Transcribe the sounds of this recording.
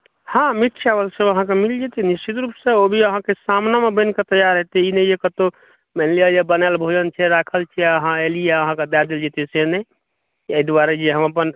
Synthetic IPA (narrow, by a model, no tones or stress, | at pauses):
hãmit̪ʰt͡ʃʰaʋəlsəəɦãkemild͡ʒet̪inist͡ʃit̪ɾupsẽobʱiəɦãkesamnamebə̃nket̪əjaɾɦet̪ɛinɛjekət̪o | mɛnliajebənalbʱod͡ʒənt͡ʃʰɛɾakʰəlt͡ʃʰɛəɦãelijeəɦãked̪ad̪eld͡ʒet̪isene | əid̪uaɾed͡ʒeɦəməpən